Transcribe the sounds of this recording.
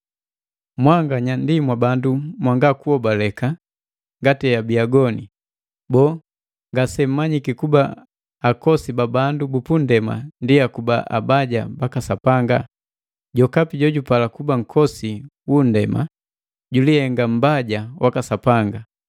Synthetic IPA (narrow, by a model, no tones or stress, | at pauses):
mwaŋɡaɲandimwabandumwaŋɡakuɔbalɛka | ŋɡatijabiaɡɔni | bɔː | ŋɡasɛm̩mːaɲikikuba̰ː | kɔsibabandubupundɛma̰ndiakubaʔa̰baɟa̰bakasapaŋɡa | ɟɔkapiɟɔɟupalakubaŋ̩kʰɔsiwun̩dɛma̰ | ɟulihɛŋɡam̩baɟawʔakasapaŋɡa